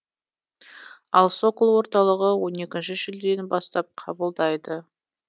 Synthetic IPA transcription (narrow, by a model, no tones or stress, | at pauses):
ɑlˠso̞klˠwo̞ɾt̪ɑlˠəʁəwo̞ne̞kʲɪnʃɪʒɪld̪e̞nbɑst̪ɑp̚qʰɑbəlˠd̪ɑjd̪ə